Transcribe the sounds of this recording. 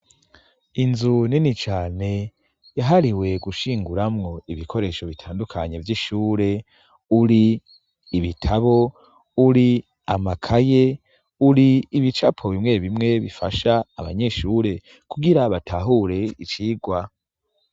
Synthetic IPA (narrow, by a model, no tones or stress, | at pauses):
inzuninit͡ʃaːne̞ | jaɦaɾiwe̞ɡuʃiːŋɡuɾamŋo̞iβikʰo̞ɾe̞ːʃo̞βitʰaːndukʰaɲe̞vjiʃuːɾe̞ | uɾiː | βitʰaβo̞ | uɾi | amakʰaje | uɾiːβit͡ʃapʰo̞βimŋe̞βimŋe̞βifaʃaːβa̰ɲe̞ʃuːɾe̞ | kuɡiɾaβatʰaɦuɾe̞it͡ʃiːɡwa